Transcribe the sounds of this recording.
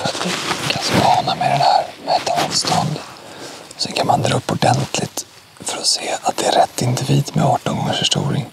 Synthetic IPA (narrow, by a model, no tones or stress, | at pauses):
fœɾat̪vɪkʰansmɑːnamɛd̪ɛnhæːɾmɛːt̪ʰːamud̪st̪ɔnd̪ | ɔsɛnkʰanmand̪ɾaɵpːɔɖɛnt̪ʰlɪt̪ | fœɾɔseːat̪̚d̪̥ɛæɾɛt̪ːɪnd̪ɪviːd̪mɛɑːʈʊŋɔɛnfœʂʈṵːɾɪ̰ŋ